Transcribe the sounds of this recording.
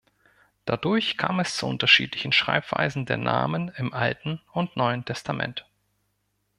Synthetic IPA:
d̥adʊɐçkʰaːmɛst͡suʔʊntɐʃḭːtlɪçn̩ʃʁ̥a̰ɪpv̥a̰ɪzn̩deːɐnʔa̰ːmənɪmʔaltn̩ʊntnɔʏəntʰɛstʰamʔɛ̰nt

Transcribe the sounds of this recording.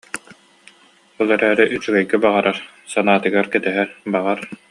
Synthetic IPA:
ɔlˠɛɾæːɾɛʔyt͡ɕyɡɛjɡɛbaʁaɾaɾ | sanaːt̪ɯɡaɾkɛt̪ɛɦɛɾbaʁaɾ

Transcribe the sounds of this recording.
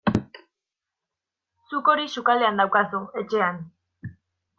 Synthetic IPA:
suko̞ɾiʃukale̞and̪awkasue̞t͡ʃe̞an

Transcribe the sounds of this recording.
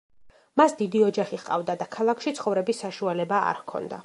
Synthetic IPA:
masd̪id̪iɔd͡ʒaχiχqʼa̰vd̪ad̪akʰalˠakʰʃit̪sʰχɔvɾɛbisːaʃualɛbaa̰ɾkʰɔ̰nd̪a̰

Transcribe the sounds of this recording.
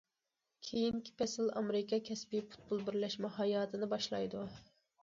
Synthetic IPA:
kʲʰejiŋkʲʰi̥pɛsɪlɑ̰mɾɪkʰɑkʲʰɛspipu̥t̪̚bulˠbɪɾlɛʃmɛɦɑjɑːt̪ʰɨnɨbɑʃlˠɑ̰jd̪u

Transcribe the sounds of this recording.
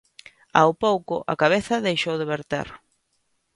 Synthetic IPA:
a̰wpowkʊʔa̰kaβ̞eθɐðejʃowðeβeɾt̪ḛɾ

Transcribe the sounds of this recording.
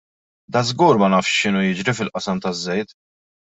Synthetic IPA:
d̪ɐzɡuːɾmɐnɐːfʃʃɪnujɪd͡ʒɾifɪlʔɐsɐmt̪ɐzːɛjt̪

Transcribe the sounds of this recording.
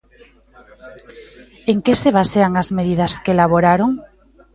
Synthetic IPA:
eŋkeseβaseaŋazmeðiðɐskelaβ̞oɾaɾoŋ

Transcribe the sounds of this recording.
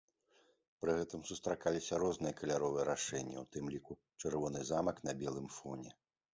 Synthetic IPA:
pɾɨɣɛt̪ɨmsust̪ɾakalʲisʲɐɾɔznɨjɐkɐlʲaɾɔvɨjɛɾaʂɛnʲːɐ̰wt̪ɨmlʲiku | t͡ʂɛrvɔnɨzamɐkn̪ɐbʲɛlˠɨmfɔnʲɛ

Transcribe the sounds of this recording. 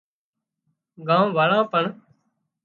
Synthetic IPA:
ɡãːʋaːɭãːpəɳ

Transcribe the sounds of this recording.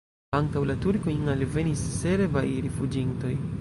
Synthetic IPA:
aŋtawlatuɾkoiŋalve̞nisːe̞ɾvajɾifud͡ʒinto̞j

